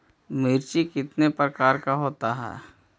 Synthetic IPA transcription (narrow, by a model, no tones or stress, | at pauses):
mɪɾt͡ʃikɪt̪nepɾəkaːɾkaɦoːt̪aɦɛ̰ː